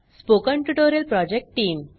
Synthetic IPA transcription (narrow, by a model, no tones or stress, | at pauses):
spokə̃ɳʈuʈoɾjəlpɾɔd͡ʑek̚ʈʈiːm